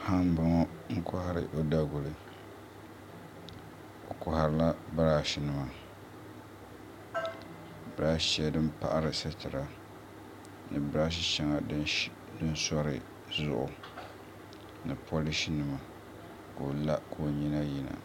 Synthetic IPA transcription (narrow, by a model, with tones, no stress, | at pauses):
ha˦m˦ba˦ŋɔ˦ | ŋ̩˦kʊ˦ha˦ɾɨ̰˨ʔo˦da˦ɡʊ˨lɨ˨ | o˨kʊ˨ha˨ɾɨ˦la˦ba˦ɾaː˦˨ʃi˨nɨ˨ma˨ | ba˨ɾa˦ʃi˦a˦dɨ˦mpa̰˦ʔa˦ɾɨ˨sɨ˦tɪ˨ɾa˨ | nɨ˨ba˦ɾa˦ʃ̬i˦ʃɛ˨˦ŋa˨d | dɨ˦n˦sɔ˦ɾɨ̰˨ | zʊ̰˦ʔʊ̰˨ | nɨ˨pʰo˦li˦ʃi˦nɨ˨ma˨ | ko˨la˦kʰo˨ɲi˦na˦ji˨na̰˨